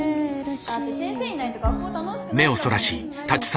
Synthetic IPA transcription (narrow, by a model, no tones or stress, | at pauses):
at̪ːesẽñseːɲinait̪oɡakːoːt̪anoɕi̥kɯme̞o̞so̞ɾaɕiː | t̪at͡ɕi̥s